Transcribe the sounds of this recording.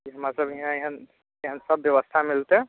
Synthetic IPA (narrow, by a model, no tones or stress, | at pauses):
kiɦəmaɾsəbeɦãeɦən | eɦənsəbːjəʋəst̪ʰamilt̪e